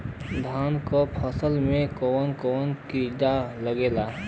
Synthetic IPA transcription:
d̪ʱaːnkopʰəsəlmẽkɔːnkoːnkid̪aləɡeːla

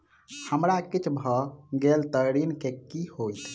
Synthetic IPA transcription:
həmɾakit͡ʃʰbʱɔɡelt̪əɾinkekihojt̪ʰ

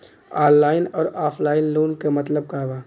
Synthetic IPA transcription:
aːnlaːɪnɔːɾaːpʰlaːɪnloːnkemɐt̪ləb̚kaʋaː

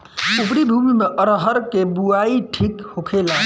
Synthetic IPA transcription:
ubɾibʱumimeʔəɾɦəɾkebuaiʈʰikhokʰela

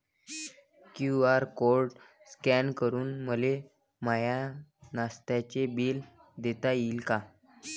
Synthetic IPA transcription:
kjuaɾkoɾɖ | skɛnkəɾuːnməle | majanast̪jat͡ɕebiːl | d̪et̪ajiːlka

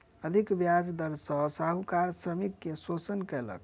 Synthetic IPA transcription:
əd̪ʱikbjad͡ʒd̪əɾsəsaɦukaɾsɾəmikːesot͡ʃənkɛlə̰k

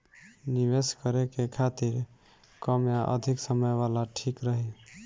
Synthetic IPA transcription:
niβeskəɾekekʰat̪iɾ | kəmjaʔə̰d̪ʱiksəməjʋalaʈʰikɾəɦi

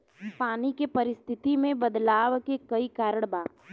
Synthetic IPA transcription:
paːnikepɐɾɪst̪ʰɪt̪imẽbɐd̪laːʋkekɐikaːɾəɽ̃baːp

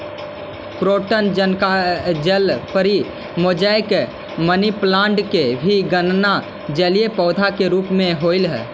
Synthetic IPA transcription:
pɾoʈənd͡ʒənkad͡ʒəlpəɾi | mod͡ʒəjk | məniplãɳɖkebʱiɡənna | d͡ʒəlijepɔːd̪ʱakeɾupmeɦoilɦɛ

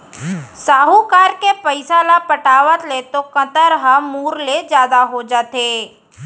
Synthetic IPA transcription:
saːɦukaːɾkepəɪsalapəʈaːʋət̪let̪okə̃t̪əɾɦãmuːɾled͡ʒjaːd̪aɦod͡ʒaːt̪eː

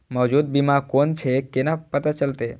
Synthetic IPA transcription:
mɔʋd͡ʒud̪̚bimãkont͡ʃʰekenapət̪at͡ʃəlt̪e

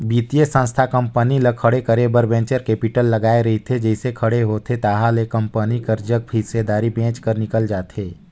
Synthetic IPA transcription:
biːt̪ijesə̃nst̪ʰakə̃mpəniləkʰəɽekəɾebəɾbɛ̃ːnt͡ʃəɾkeːpɪʈəlːɐɡaːeɾɐɦit̪ʰed͡ʒɛɪsekʰɐɽeɦoːt̪ʰet̪aːɦalekə̃mpənikəɾd͡ʒək̚ɦɪsed̪aːɾibẽːt͡ʃkəɾnɪkəld͡ʒaːt̪eː

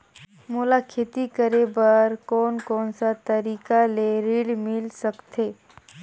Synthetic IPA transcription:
mʊlaːkʰet̪ikəɾebɐɾkɔːnkɔːnsat̪ɐɾiːkaleɾiːɽmɪlsɐkt̪ʰeː

